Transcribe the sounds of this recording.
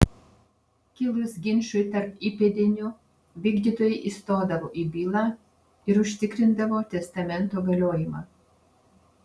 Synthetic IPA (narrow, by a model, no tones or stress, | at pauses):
kʲɪlˠʊsɡʲɪnʲʃʊjt̪ɐɾpiːpʲeːd̪ʲɪnʲʊ | ʋʲiːɡd̪ʲiːt̪oːjɛɪʔiːst̪oːd̪ɐʋoːʔiːbʲiːlˠɑː | ɪɾʊʃʲt̪ʲɪkɾʲɪnd̪ɐʋoːt̪ʲɛst̪ɐmʲɛnˑt̪oːɡɐlʲoːjɪmɑː